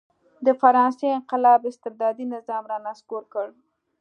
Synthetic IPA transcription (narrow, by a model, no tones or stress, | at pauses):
d̪əfaɾɑnseɪŋqɪlɑbɪst̪ɪɾd̪ɑd̪inɪzɑmɾɑnaskoɾkəɽ